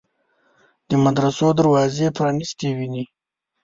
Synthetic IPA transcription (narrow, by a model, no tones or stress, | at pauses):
d̪̥əmad̪ɾasod̪əɾwɑzepɾɑnist̪ewini